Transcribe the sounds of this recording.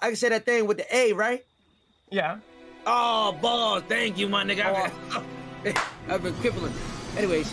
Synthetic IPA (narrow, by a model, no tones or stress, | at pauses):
ʔaɪkɨ̃nseɪðɨt̪̚θɪ̃ŋwɨðiʔeɪɹaɪt̚ | jæobɔsθæ̃ŋk̬jɨmãɪ̃nɨɡa | abikʰw̥ɪvl̩ˠə̃ntʔɛniweɪ